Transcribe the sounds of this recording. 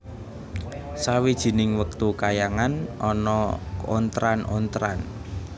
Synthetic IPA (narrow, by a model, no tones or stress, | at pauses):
sawid̥ʒ̥i̤nɪŋwək̚t̪ukajaŋanɔnɔo̰nt̪ɾanont̪ɾan